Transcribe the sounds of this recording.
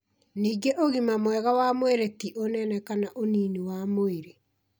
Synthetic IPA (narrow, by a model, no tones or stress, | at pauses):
niːɡeʔoɣimamwɛɣawamoeɾetiʔonɛnɛkanaʔoniːniwamoeɾe